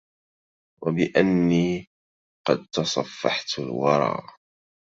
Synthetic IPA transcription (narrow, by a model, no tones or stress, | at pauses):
wabɪʔanːiː | qɑd̪̚t̪ɑsˤɑfːɑħt̪lwɑɾˤɑ̰ːʔ